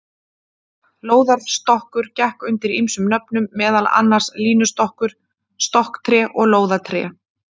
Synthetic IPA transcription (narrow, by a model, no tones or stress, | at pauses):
loːwðaɾ̥st̪ɔhkʏɾ̥cɛhkʏnt̪ɪɾimsʏmnœpnʏmːɛːðala̰nːaɾ̥sliːnʏst̪ɔhkʏɾ̥ | st̪ɔhkt̪ʰɾɛːʔɔɣloːwðat̪ʰɾɛ̰